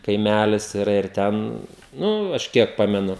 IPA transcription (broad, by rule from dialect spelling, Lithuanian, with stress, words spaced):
kɐɪˈmʲælʲɪs ɪˈrɐ ɪr ˈtʲɛn ˈnʊ ˈɐʃ ˈkʲiɛk ˈpɑːmʲɛnʊ